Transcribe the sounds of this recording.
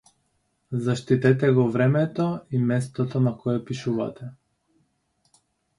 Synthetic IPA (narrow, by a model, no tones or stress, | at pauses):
zaʃt̪it̪ɛt̪ɛɡɔvɾɛmɛt̪ɔimɛst̪ɔt̪ɔnakɔjɛpiʃuva̰t̪ɛ